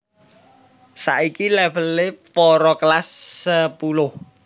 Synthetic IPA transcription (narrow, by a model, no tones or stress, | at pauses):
sa̰ʔikilɛvəlɪpɔɾɔklasːəpulʊh